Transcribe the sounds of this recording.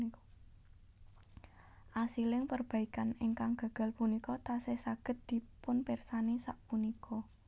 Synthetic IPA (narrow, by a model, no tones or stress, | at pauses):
ʔasilɪŋpərb̥a̤ikaneŋkaŋɡ̥a̤ɡ̥a̤lpunikɔt̪asesaɡ̥ə̤t̪̚d̪̥i̤pʊnpersanisaʔpunikʰɔ